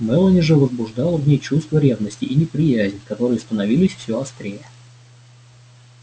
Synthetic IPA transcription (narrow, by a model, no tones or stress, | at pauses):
mɛlˠənʲɪʐɨvəzbʊʐd̪ɑlˠəvnʲejt͡ɕust̪vəɾʲe̞vnəsʲtʲɪʔinʲɪpɾʲɪjæzʲnʲkɐt̪o̞ɾɨjəst̪ənɐvʲilʲɪsʲfsʲoɐst̪ɾʲejə